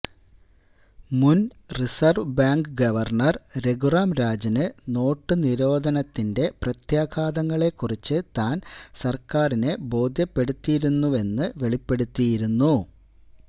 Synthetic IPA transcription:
mun | risɐrʋbaːŋɡɨɡɐʋɐrɳɐrɾeɡuraːmɾaːd͡ʑɐnɨno̞ːʈːɨniɾo̞ːd̪ʱɐnɐt̪ːinde̞prɐt̪jaːɡʰʱaːd̪ɐŋːɐɭe̞kːurit͡ɕːɨt̪aːnsɐrkaːrinebo̞ːd̪ʱjɐpːe̞ɽut̪ːijiɾunːuʋe̞nːɨʋe̞ɭipːe̞ɽut̪ːijiɾunːu

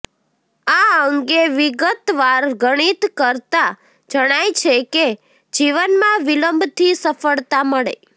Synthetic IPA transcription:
aəŋɡeʋiɡət̪ʋaɾɡəɽ̃it̪kəɾt̪a | d͡ʒəɽ̃ajt͡ʃʰeke | d͡ʒiʋənmãʋiləmbʱt̪ʰisəfəɭt̪aməɭḛ

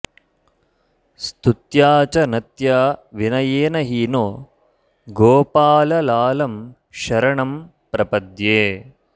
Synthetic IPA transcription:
st̪ut̪jaːt͡ʃɐnɐt̪jaːʋinɐjeːnɐɦinoː | ɡoːpaːlɐlaːlɐm | ʃɐɾɐɳɐm | pɾɐpɐd̪jeː

